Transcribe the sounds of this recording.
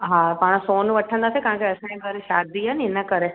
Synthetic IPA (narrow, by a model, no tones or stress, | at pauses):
ɦãpaːɽ̃soːnʋɐʈʰə̃nd̪aːsekɐ̃ɦãŋkeɐsãẽkəɾeʃaːd̪iɦənɪnəkɐɾe